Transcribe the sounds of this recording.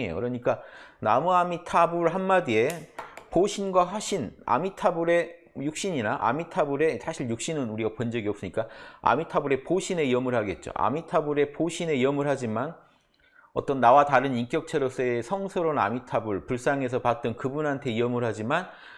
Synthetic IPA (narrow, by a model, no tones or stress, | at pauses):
ḛjo̰kɯɾʌɲik͈anamuamitʰabuɭɦanːadie̞poɕʰinɡwaɦaɕʰina̰mitʰabuɾe̞ | juk̚ɕ͈iɲinaʔa̰mitʰabuɾe̞sʰaɕʰiɭjuk̚ɕ͈inɯnuɾiɡapʌnd͡ʑʌɡiʌp̚s͈ɯɲik͈aa̰mitʰabuɾe̞poɕʰine̞iʌmɯɭhaɡe̞t̚t͡ɕ͈o̰ʔa̰mitʰabuɾe̞poɕʰine̞iʌmɯɭhad͡ʑiman | ʌ̰t͈ʌnːawataɾɯnink͈jʌk̚t͡ɕʰeɾos͈eesʰʌŋsʰɯɾona̰mitʰabɯɭpuɭs͈aŋe̞s̬ʰʌpat̚t͈ʌnkɯbunantʰe̞iʌmɯɭhad͡ʑiman